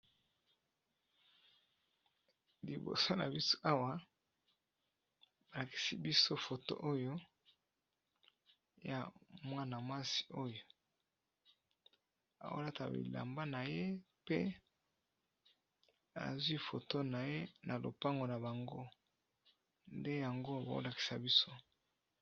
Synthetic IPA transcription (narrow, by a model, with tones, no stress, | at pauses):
li˨bo̰˨so˦na̰˨bi˦so̥˦ʔa˦wa˦ | ba˨la˨ki̥˨si˦bi˦so˦fo˨to̰˦ʔo˦jo˦ | ja˨mwa˦na˨mwa˦si̥˨o˦jo˨ | a̰˨wo̰˦la˦ta̰˨bḭ˨la̰˨mba˦na˨je˦ | pḛ˦ | a̰˨zwi˦fo˨to˦na˨je˦nʔa˨lo̰˨pa˦ŋɡo˨na˨ba˨ŋɡo˦ | nde˦ja˨ŋɡo˦˨ba̰˨o̰˦la˨ki̥˨sa˨bi˦so˦